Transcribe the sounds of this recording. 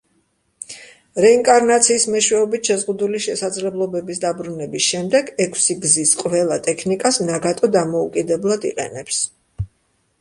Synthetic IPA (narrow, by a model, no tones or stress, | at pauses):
ɾɛiŋkʼaɾnat̪sʰiːsmɛʃwɛɔbit̪ʃɛzʁud̪uliʃɛsad̪zlɛblˠɔbɛbisd̪abɾunɛbisʃɛmd̪ɛɡɛkʰsiɡzisqʼvɛlˠat̪ʼɛkʰnikʼasnaɡat̪ʼɔd̪amɔukʼid̪ɛblˠad̪ḭqʼɛ̰nɛps